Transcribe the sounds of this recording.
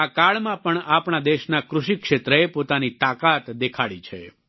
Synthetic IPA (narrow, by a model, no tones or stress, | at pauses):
akaɭmãpəɳapɳad̪eʃnakɾʊʃikʃet̪ɾəepot̪anit̪akat̪d̪ekʰaɽit͡ʃʰḛ